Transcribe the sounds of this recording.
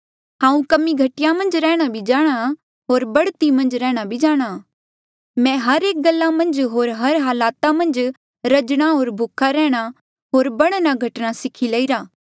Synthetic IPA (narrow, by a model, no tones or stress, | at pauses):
ɦãːũkɐmiɡʱɐʈɪjãmɐ̃nd͡ʒɾɛːɽ̃abʱid͡ʒaːɽ̃a | ɦoːɾbɐɽt̪imɐ̃nd͡ʒɾɛ̃ːɽ̃abʱid͡ʒaːɽ̃a | mɛ̃ɦɐɾeːk̚ɡɐlːamɐ̃nd͡ʒɦoːɾɦɐɾɦaːlaːt̪amɐ̃nd͡ʒ | ɾɐd͡ʒɽ̃aɦoːɾbʱʊkʰaɾɛ̃ːɽ̃a | ɦoːɾbɐɽ̃naɡʱɐʈnasɪkʰileːiɾaː